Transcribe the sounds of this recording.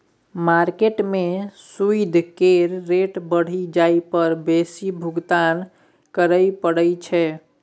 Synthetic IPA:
maɾkeʈmesuid̪ʱkeɾːeʈbəɽ̤id͡ʒaipəɾbesibʱuɡt̪an | kəɾəjpəɽəjt͡ʃʰɛ

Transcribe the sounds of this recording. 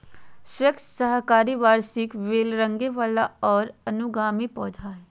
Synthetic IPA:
swekssəɦkaːɾiʋaːɾsɪkʋeːlɾə̃ŋɡeʋaːlaɔːɾɐənʊɡaːmipɔːd͡ʒʱaɦɛː

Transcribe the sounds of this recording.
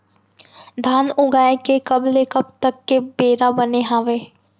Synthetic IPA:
d̪ʱaːnʊɡaːekekɐblekɐb̚t̪ɐkːebeːɾabɐneɦaːʋeː

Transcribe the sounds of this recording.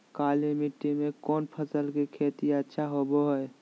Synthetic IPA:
kaːlimiʈːimẽkɔːnpʰəsəlkekʰeːt̪iətːʃʰaɦoboɦɛe

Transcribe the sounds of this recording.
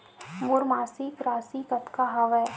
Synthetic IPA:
mʊɾmaːsikɾaːsikɐt̪kaɦaʋɛː

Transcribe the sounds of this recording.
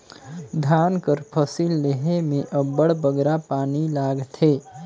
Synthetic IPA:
d̪ʱaːnkəɾpʰəsiːlːeɦemẽʔəbəɽbəɡɾapaːnilaːɡt̪ʰeː

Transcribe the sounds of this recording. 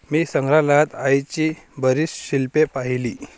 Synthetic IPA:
miːsəŋɡɾalat̪ajt͡ɕibəɾisɕilpepaɦiliː

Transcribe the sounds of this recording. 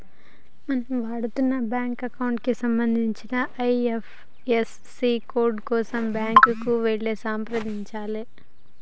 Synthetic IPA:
mɐnɐmʋaːɽut̪unːɐbjaːŋkɐkɐwuɳʈkisɐmbɐnd̪ʱiɲt͡ʃinɐʔɐjefʰ | esːikoːɾɖkɔːsɐmbjaːŋkukuʋeɭːeːsaːmpɾɐd̪iɲt͡ʃaːle

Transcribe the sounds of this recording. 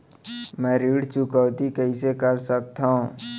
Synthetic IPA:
mɛ̃ːɾiːɽt͡ʃʊkəːt̪ikəɦisekəɾsək̚t̪aõ

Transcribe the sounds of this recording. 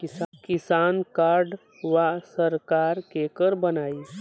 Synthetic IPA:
kɪskɪsaːnkaːɾɖ | ʋasəɾkaːɾkekəɾbənaːi

